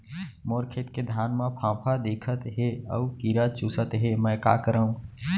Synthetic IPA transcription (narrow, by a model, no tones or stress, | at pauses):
moːɾkʰet̪ked̪ʱjaːnmãpʰãːpʰad̪eːkʰət̪ɦeə̰ukiɾat͡ʃuːsət̪ɦemɛ̃ka̰ːkəɾəũː